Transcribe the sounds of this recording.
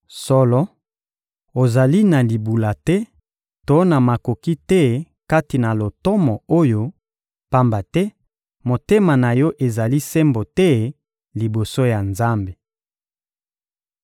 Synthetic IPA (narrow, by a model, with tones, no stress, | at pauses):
sɔ˦lɔ˦ | o˨za˨li˦na˨li˨bu˨la˨tɛ˦ | to˦na˨ma˨ko˨ki˦tɛ˦ | ka˦ti˨na˨lo˨tɔ˦mɔ˨o˦jo˦ | pa˦mba˨tɛ˦ | mo˨te˦ma˨na˨jɔ˦ʔe˨za˨li˦se˦mbo˨tɛ˦ | li˨bo˨so˦ja˨nza˦mbe˨